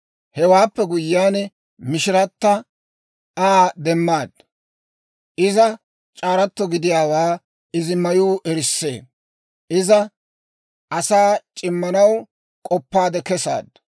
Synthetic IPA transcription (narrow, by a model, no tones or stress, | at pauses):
hɛwaːpːɛɡʊjːaːnɛ | mɪʃɪɾɐt̪ːɐ | aːd̪ɛmːaːd̪̚ | ʔɪzɐ | t͡ʃʼaːɾɐt̪ːɔɡɪd̪ɪjaːwaː | ɪzɪmɐjuːʔɛɾɪsːḛː | ʔɪzɐ | ʔɐsaːt͡ʃʼɪmːɐnɐw | kʼɔpːaːd̪ɛkɛsa̰ːd̪